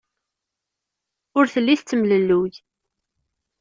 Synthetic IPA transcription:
ʊɾθəlːiθt͡sːəmləlːuj

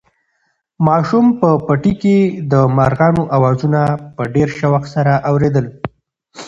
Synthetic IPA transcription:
mɑʃumpəpaʈiked̪əmaɾɣɑnoʔawɑzunapəɖeɾʃawaxt̪saɾaʔawɾed̪əl

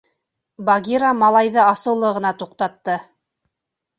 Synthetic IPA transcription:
bɑɡʲiɾamɑlˠɑjðɤɑsɤ̆wlˠɤʁɤ̆nɑt̪uqt̪ɑt̪ːɤ

